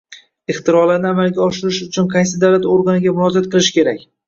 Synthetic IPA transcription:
ɪχt̪ʰɪɾɒɾlaɾnɪamalɡʲaɒʃɪɾɪʃʊt͡ʃʰʊnqʰɑjs̬ɪd̪awlat̪oɾɡanɪɡʲamʊnɒd͡ʒat̪̚qʰɨlˠɪʃkʲʰe̞ɾakʲ

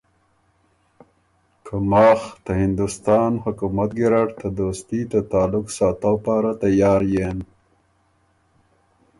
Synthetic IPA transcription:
kʰamɑːxt̪ahɪnd̪ʊst̪ɑːnhʊkumat̪̚ɡɪɾaʈt̪ad̪oːst̪it̪at̪aːlʊksɑːt̪awpɑːɾat̪ajɑːɾjen

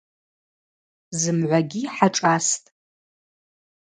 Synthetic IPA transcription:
zɨmʕʷaɡʲiħaʈ͡ʂʼastʼ

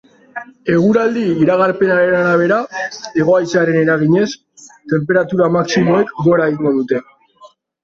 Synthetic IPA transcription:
e̞ɣ̞uɾald̪iːɾaɣ̞aɾpe̞naɾe̞naɾaβ̞e̞ɾae̞ɣ̞o̞ajt͡saɾe̞ne̞ɾaɣ̞iɲe̞s | t̪e̞mpe̞ɾat̪uɾamaksimo̞e̞kɡo̞ɾaɣiŋɡoðut̪e̞

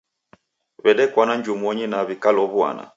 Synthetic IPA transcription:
βɛɗɛkwanaɲd͡ʒumɔɲinaβikalɔβua̰na̰

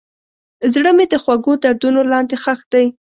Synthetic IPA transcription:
zɽəmed̪əxwaɡod̪aɾd̪unolɑnd̪exaxd̪̥aj

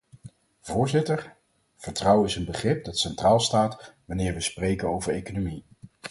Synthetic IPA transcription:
v̥ʊːɹzɪtəɹ | v̥əɹtrɑwɪsənbəχrɪp̚dɑtsɛntraːlˠstaːtʋɑnɪːɹʋəsprejkənowvəɹejkonomi

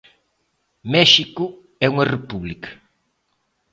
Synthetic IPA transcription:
mɛʃikʊ | ɛuŋɐrepuβlikɐ̥

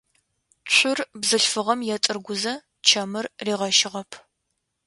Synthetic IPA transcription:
ɕʷʰʊrbzɨɬfɨʁɐmjɛtʼɨrɡʷʊzɐ | t͡ʃʰɐmɨrːiːʁɐʃɪʁɐpʰ

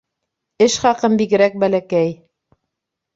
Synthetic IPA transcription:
ɘʃχɑqɤmbiɡɘ̆ɾæk̚bælækæj

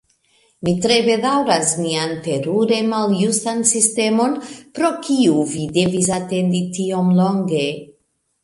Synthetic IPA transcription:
mitɾe̞be̞dawɾasmiante̞ɾuɾe̞maljustansiste̞mo̞npɾo̞kʰiuvide̞vis̬ate̞nditio̞mlo̞ŋɡe̞

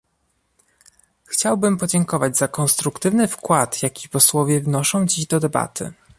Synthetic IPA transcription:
xt͡ɕawbɘmpɔd͡ʑɛŋkɔvad͡ʑzakɔnst̪ɾukt̪ɘvnɘfkwat̪jakʲipɔswɔvʲjɛvnɔʂɔ̃w̃d͡ʑiʑd̪ɔd̪ɛba̰t̪ʰɘ̰

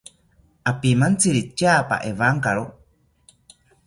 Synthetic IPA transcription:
ʔapimant͡siɾit͡ʃapa̰ʔevaŋkaɺo

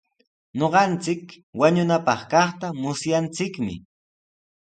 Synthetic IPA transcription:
ɲoɢɑnt͡sɪk | waɲʊnapɑχkɑχt̪amʊsjant͡sɪkmɪ̰

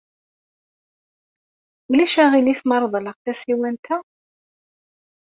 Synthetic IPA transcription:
ulæʃæʁiniθmɑɾˤðˤləʁθæsiwænt̪ʰæ

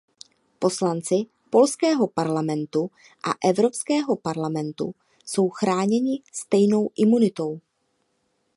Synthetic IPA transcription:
po̞slant͡sɪ | po̞lskɛːɦo̞paɾlamɛnt̪u | ʔa̰ʔɛvɾo̞pskɛːɦo̞paɾlamɛnt̪ṵ | so̞wxɾaːɲɛɲɪst̪ɛjno̞wʔɪmunɪt̪o̞w

